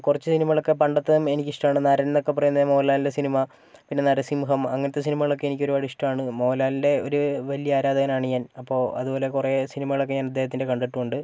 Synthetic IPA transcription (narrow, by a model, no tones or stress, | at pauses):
kurɐt͡ɕːɨsinimɐɣɐɭokːe̞pɐɳɖɐt̪ːɐðɐme̞nikʲːiʂʈɐmaːɳɨnɐɾɐnnːo̞kːe̞pːɐrɐjunɐðmo̞ːlaːlindesinimɐ | pinːe̞nɐɾɐsimuɦɐmɐ̰ŋːɐnɐt̪ːes̬inimɐɣɐɭo̞kːe̞enikʲːoɾuɐɽiʂʈɐmaːɳɨmo̞ːlaːlinde̞o̞ɾuʋɐlijɐaːɾaːd̪ɐɣɐnaːɳɨɲaːnɐpːo̞ːɐ̰ðubo̞ːle̞kuresinimɐɣɐɭo̞kːe̞ɲaːnɐd̪ːeɦɐt̪ːinde̞kɐɳɖɐʈːuoɳɖɨ